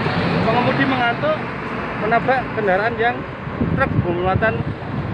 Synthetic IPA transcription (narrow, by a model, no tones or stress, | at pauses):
məŋəmud̪̥iməŋat̪oʔ | mənab̥aʔkəndaɾaanjaŋ | t̪rək̚b̥o̤muat̪an